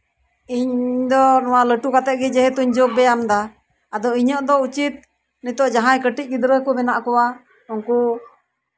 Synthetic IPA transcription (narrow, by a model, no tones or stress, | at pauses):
iɲd̪ɔnɔwaləʈukat̪ɛʔ̚ɡɛd͡ʒɛɦɛt̪uɲd͡ʒoɡ̚bɛamd̪aː | d̪ɔiɲəʔd̪ɔut͡ʃit̪̚ | nit̪ɔʔd͡ʒaɦãjkəʈic̚ˀɡid̪ɾəkɔbɛnaʔkɔwa | ɔŋku